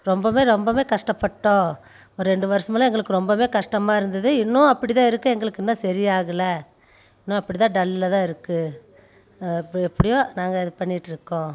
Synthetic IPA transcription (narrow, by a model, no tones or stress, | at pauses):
ɾɔmbɐmeːɾɔmbɐmeːkɐʂʈɐpːɐʈːõː | ɔɾɯɾɛɳɖɯʋɐɾɐsɐmɛlɐɛŋɡɐɭɯkːɯɾɔmbɐmeːkɐʂʈɐmaːɪɾɯnd̪ɐðɯɪnːʊ̃ɐpːɐɽɪt̪̬ãːɪɾɯkːɯɛŋɡɐɭɯkːɛnːɐsɐɾɪjaːɣɐlɐ | ɪnːʊ̃ɐpːɐɽɪt̪ãːɖɐlɪlɐt̪ãːɪɾɯkːɯ | ɛpːɐɽɪjoːnaːŋɡɐɪðɯpɐɳːɪʈːɪɾɯkːõː